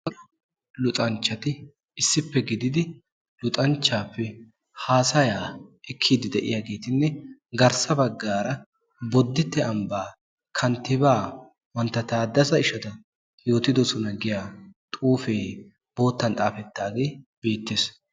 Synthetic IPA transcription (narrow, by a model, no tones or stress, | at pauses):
lʊt̪ʼɐnt͡ʃːɐt̪ɪ | ɪsːɪpːɛɡɪd̪ɪd̪ɪ | lʊt̪ʼɐnt͡ʃːaːpːɛ | haːsɐjaːɪkʰːiːd̪ɪd̪ɛʔɪ̰jaɡe̞ːt̪ɪnːɛɡɐɾsɐbɐɡːaːɾɐ | bɔd̪ːɪt̪ːɛɐmbaː | kʰɐnt̪ːɪbaː | wɐnt̪ːɐt̪aːd̪ɐsɐɪʃɐt̪ɐ | jo̞ːt̪ɪd̪ɔsɔnɐɡɪjaːt̪ʼuːfeː | b̥o̞ːt̪ːɐnt̪ʼaːfɛt̪ːaːɡe̞ːb̥e̞ːt̪ːeːs